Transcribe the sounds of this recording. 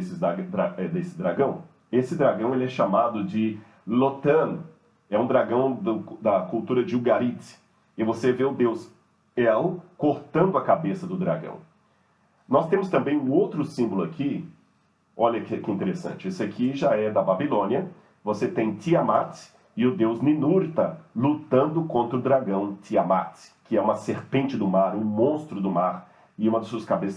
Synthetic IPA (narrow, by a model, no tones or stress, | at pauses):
sɪad̪ɾaɛd̪esɪd̪ɾaɡɐ̃w̃ | esɪd̪ɾaɡɐ̃w̃elɪɛʃamad̪ʊd͡ʒɪ | lot̪ɐ̃n | ɛũd̪ɾaɡɐ̃w̃d̪ʊd̪ɐkut̪uɾɐd͡ʒɪuɡaɾit̪ | ɪvoseveʊd̪ewz | ɛlkoɾt̪ɐ̃nd̪ʊɐkabesɐd̪ʊd̪ɾa̰ɡɐ̰̃w̃ | nɔst̪ẽmʊst̪ɐ̃mbẽj̃ũowt̪ɾʊsĩmbʊlʊakʰi | ɔʎɐkɪkɪĩnt̪eɾesɐ̰̃nt͡ʃɪesɪakʰiʒaɛd̪ɐbabilõniɐ | voset̪ẽj̃t̪iamat̪ | ɪʊd̪ewzninuɾt̪ɐlut̪ɐ̃nd̪ʊkõnt̪ɾɐʊd̪ɾaɡɐ̃w̃t̪iamat̪kɪɛũmɐseɾpẽnt͡ʃɪd̪ʊmaɾũmõst̪ɾʊd̪ʊmaɾ | ɪũmɐd̪ɐsuɐskabes